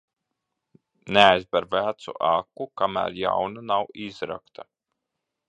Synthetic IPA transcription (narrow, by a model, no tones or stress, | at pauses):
neajzbaɾvæːt̪sṵʔakːukamæ̰ɾja̰wnanawizɾa̰kt̪ʰa